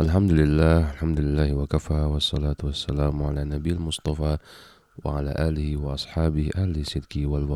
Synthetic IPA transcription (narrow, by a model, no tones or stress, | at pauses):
ʔalħamd̪lɪlːaːhʔalħamd̪ʊlɪlːaːhwakafaːwɑsˤːɑlaːt̪wasːalaːmʕalaːnabɪːalmʊsˤt̪ˤɑfɑː | wɪ̰ʕala̰ːʔaːlɪhɪwɑʔɑsˤħɑːbɪhʔahlɪsːɪd̪kiwalwɑ